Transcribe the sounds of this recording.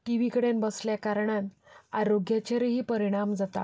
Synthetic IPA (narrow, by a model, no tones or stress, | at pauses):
ʈiʋikəɽenbəsljakaɾɳan | aɾoɡjat͡ɕeɾeɦiːpəɾiɽ̃amd͡zat̪a̰